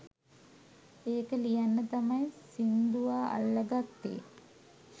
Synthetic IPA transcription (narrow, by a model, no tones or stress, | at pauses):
eːkəlijanːət̪amajsind̪uʋaːʔa̰lːəɡat̪ːḛː